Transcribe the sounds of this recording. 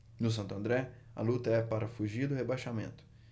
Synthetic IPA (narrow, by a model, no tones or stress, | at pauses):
nʊs̬ɐ̃nt̪ʊɐ̃nd̪ɾɛ | ɐ̰lut̪ɐɛpaɾɐfuʒiɾd̪ʊhebajʃamẽnt̪ʊ̥